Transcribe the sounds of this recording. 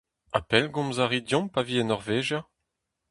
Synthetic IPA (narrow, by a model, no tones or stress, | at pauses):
a̰pɛlɡɔ̃mzaʁidjɔ̃mpaviɛnɔʁveːʒja